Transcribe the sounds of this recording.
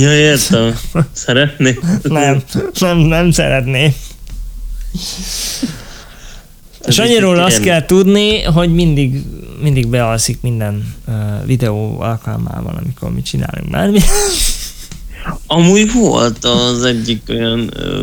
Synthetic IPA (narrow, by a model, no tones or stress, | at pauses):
jɒeːrt̪ɛmsɛɾɛt̪neːnɛmnɛmnɛmsɛ̰ɾɛt̪neː | eʃɒɲːiɾoːlɒɒt̪kɛlt̪ud̪niɦo̞ɟmind̪iɡmind̪iɡbɛɦɒlsikmind̪ɛnːvid̪ɛoːɒlkɒlma̰ːbɒ̰nɒ̰mikormit͡ʃina̰ːlṵŋkba̰ːrmiɛ | ɒmuːjvo̰lt̪ɒzɛɟːikojɒn̰ː